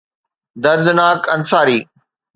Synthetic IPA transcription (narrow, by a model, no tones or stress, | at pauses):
d̪ɐɾd̪naːkɐnsaːɾiː